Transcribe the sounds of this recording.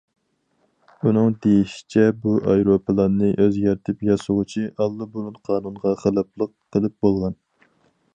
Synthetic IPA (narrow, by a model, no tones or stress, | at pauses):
unɨŋd̪ejiʃi̥t͡ʃʰɛbuʔɑjɾopɨlˠɑnːɨʔøzɡʲæɾt̪ʰɪpjɑsʊʁʊt͡ʃʰiʔɑlˠːɨbolˠunqʰɑːnunʁɑχəlˠɑplˠəqʰːəlˠɨp̚bolˠʁɑn